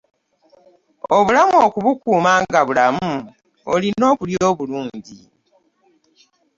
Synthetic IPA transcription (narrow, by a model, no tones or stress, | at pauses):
oβulamuoːkuβukuːmaːŋɡaβulamu | olino̞ːkuljoːβuluːɲɲɟi